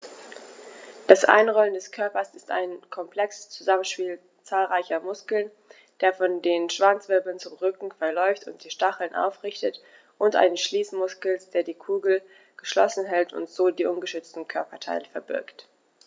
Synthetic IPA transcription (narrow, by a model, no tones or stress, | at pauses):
d̥asʔa̰ɪnʁɔləndɛskʰœɐpɐsɪsta̰ɪnkʰɔmpʰl̥ɛkst͡suzamənʃpiːl | t͡saːlʁaɪçɐmʊskl̩n | d̥eːɐfɔndeːnʃv̥ant͡sv̥ɪɐbl̩n̩t͡sʊmʁʏkŋ̩fɛɐlɔʏftʊnt̚d̥iːʃtaχl̩nʔa̰ʊfʁɪçtət | ʔʊntʔa̰ɪnəsʃliːsmʊskl̩sd̥eːɐdiːkʰuːɡl̩ | ɡ̥əʃlɔ̰sn̩ɦɛltʰʊ̰ntz̥oːdiːʔʊnɡəʃʏt͡stn̩kʰœɐpɐtʰa̰ɪləfɛɐbɪ̰ɐkt